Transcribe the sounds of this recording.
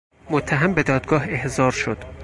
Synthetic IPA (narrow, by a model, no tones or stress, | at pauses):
mot̪ʰːæɦæmbe̞d̪ɒːd̪̚ɡɒːɦe̞hzɒːɾʃod̪̥